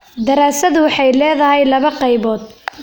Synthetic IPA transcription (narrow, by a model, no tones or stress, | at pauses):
d̪ɐɾaːsɐðʊwɑħɑjlɛːðɐɦɛjlɐβɐqɑjβɔːd̪